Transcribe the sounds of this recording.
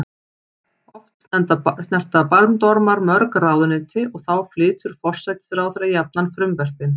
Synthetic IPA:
ɔft̪sɛnt̪asnɛr̥t̪apalmt̪ɔɾmaɾmœɾkraːwðʏnɪt̪ʰɪʔɔɣθawflɪːt̪ʏɾ̥fɔr̥sat̪ɪ̥sɛɾawθɛɾajap̚nanfɾʏmvɛr̥pɪn

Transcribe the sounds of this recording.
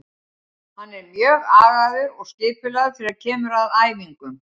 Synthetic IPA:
hanːɛɾmjœːɣaːɣaðɪɔɣsc̪ɪːpɪlaɣðʏfɪɾɪɾaðcʰɛːmʏɾaðaːjviŋkʏm

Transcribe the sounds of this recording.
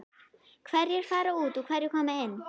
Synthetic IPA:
kʰwaɾifaɾautukʰaɾikʰɔmaɛn

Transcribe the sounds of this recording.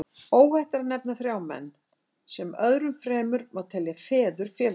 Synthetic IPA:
oːwhɛht̪aɾaðnɛpnaθɾjaːwmɛ̰nː | sɛmœðɾʏmfɾɛːmʏɾmawt̪ʰɛljafɛːðʏɾ̥fjɛːl

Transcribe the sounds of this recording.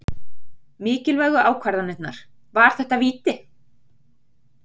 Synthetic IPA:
mɪːcɪlvœɣʏʔaːwkʰvaɾðanɛt̪naɾ̥ | vaɾ̥θɛht̪aviːt̪ɪ

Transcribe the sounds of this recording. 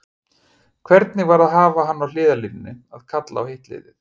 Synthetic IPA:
kʰvɛɾt̪nɪvaɾaðɦaːvaɦanːawlɪːðalinɪnːɪaðkʰat̪la̰awhejht̪lḛːjðɪθ

